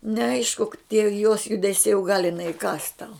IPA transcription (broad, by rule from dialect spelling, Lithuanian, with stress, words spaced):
nʲɛˈɐɪʃkʊ tʲiɛ joːs jʊdʲɛˈsʲɛɪ ʊ ɡɐlˠ ɪˈnɐɪ ɪˈkɑːs tɐʊ